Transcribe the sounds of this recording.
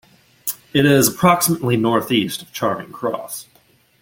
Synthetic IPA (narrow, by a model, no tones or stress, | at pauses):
ɨɾɪzəpʰɹ̥ɑksəməʔˡlinɔɹθistʌv̥t͡ʃʰɑɹmɪ̰̃ŋkʰɹ̥ɔ̰s